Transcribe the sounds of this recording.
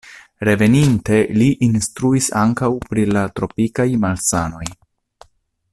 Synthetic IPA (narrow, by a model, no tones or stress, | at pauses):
ɾe̞ve̞ninte̞liʔinstɾuisaŋkawpɾilatɾo̞pikajmalsano̞j